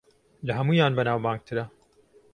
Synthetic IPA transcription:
lɐɦɐmuːjaːnbɐnaːwbaːŋɡ̚t̪ʰɨɾɐ

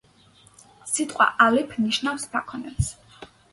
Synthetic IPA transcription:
sit̪ʼqʼwa̰ʔalɛpʰniʃnafspʰakʰɔnɛps

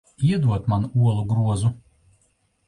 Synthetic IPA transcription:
iɛd̪uɔt̪manuɔlˠuɡɾuɔzu

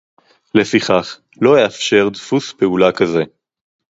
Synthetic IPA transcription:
le̞fiχaχ | lo̞heafʃe̞ʁd̪fuspe̞ulakaze̞

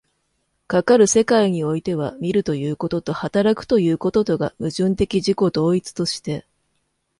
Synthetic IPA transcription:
kakaɾɯ̟se̞kaiɲ̟io̞it̪e̞β̞amʲiɾɯ̟t̪o̞jɯ̟ːko̞t̪o̞t̪o̞hat̪aɾakɯ̟̥t̪o̞jɯ̟ːko̞t̪o̞t̪o̞ɡa̰mɯ̟ʑɨ̃nt̪e̞kʲiʑiko̞d̪o̞ːit͡sɨ̥t̪o̞ɕi̥t̪e̞

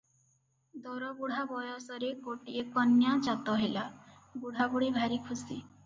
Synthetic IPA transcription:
d̪ɔɾɔbuɽ̤ʱabɔjɔsɔɾekoʈiekɔnjat͡ʃat̪ɔɦelabuɽ̤ʱabuɽibʱaɾikʰusi

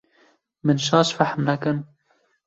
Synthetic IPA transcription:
mɨnʃɑːʃfaħmnakɨn

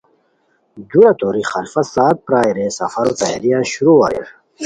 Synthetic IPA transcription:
d̪uɾat̪oːɾixɐlfɐsaːt̪̚pɾaːiɾesɐ̰fɐɾot̪aa̰ɾijaɕuɾua̰ɾḭɾ

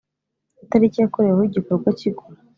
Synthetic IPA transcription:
itaɾicijakoɾewahoiɟikoɾɡwaciɡumu

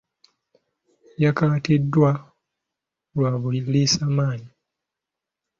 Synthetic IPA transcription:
jakaːtidːwa | lwaːβuliisaːmaːɲi

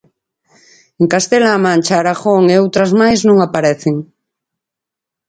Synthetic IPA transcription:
eŋkast̪elaːmãnʲt͡ʃaːɾaxoŋeowt̪ɾazmajznũŋapaɾeθeŋ

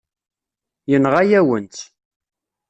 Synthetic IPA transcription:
jənʁajæwənt̪

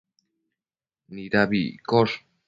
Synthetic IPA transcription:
niɾaβikos

